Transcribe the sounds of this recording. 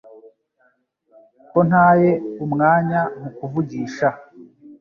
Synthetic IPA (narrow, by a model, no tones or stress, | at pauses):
ko̞n̥aːje̞umŋaːɲamukuvuɟiːʃa